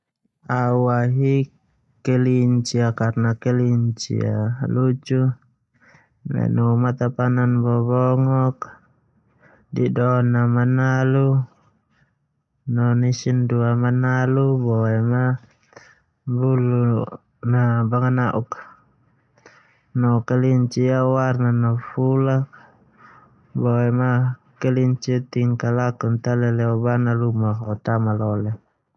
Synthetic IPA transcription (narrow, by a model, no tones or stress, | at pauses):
auaɦi | kɛliɲt͡ʃiakarnakɛliɲt͡ʃḭa̰lut͡ʃu | mɛ̰numat̪apananbɔβɔŋɔk | didɔnamanalu | nɔnisinduamanalubɔɛma | bulu | nabaŋanaʔuk | nɔkaliɲt͡ʃiawarnanɔfulak̚ | bɔɛmakɛliɲt͡ʃit̪iŋkalakunt̪alɛlɛɔbanalumaɦɔt̪amalɔlɛ